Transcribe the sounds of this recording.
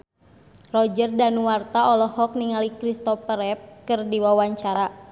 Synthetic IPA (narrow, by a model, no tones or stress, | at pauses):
rɔd͡ʒərdanuwart̪aɔlɔhɔk̚niŋalikɾist̪ɔpəɾɛp̚kɨrdiwawaɲt͡ʃaɾa